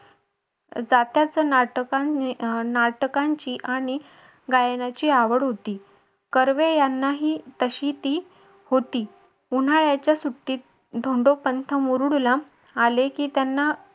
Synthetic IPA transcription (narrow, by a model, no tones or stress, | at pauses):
d͡zat̪jat͡sənaʈəkanaʈəkaɲt͡ɕiːʔaɽ̃i | ɡajnat͡ɕiːaʋəɽɦot̪iː | kəɾʋejanːaɦiːt̪əɕiːt̪iː | hot̪iː | un̤aɭjat͡ɕjasuʈːiːt̪̚ | d̪ʱoɳɖopənt̪ʰəmuɾuɽulaː | lekiːt̪janːa